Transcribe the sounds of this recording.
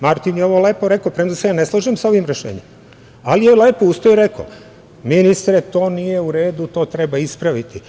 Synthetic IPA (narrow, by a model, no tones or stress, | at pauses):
maɾt̪injeo̞ʋo̞leːpoɾe̞kopɾend̪seɡaneslˠaʒimsao̞ʋimɾeʃḛːɲem | alijeleːpoust̪ojiɾe̞kʰo̰ | minist̪ɾet̪o̞ːnije̞uɾe̞ːd̪ut̪o̞ːt̪ɾebaispɾaʋit̪i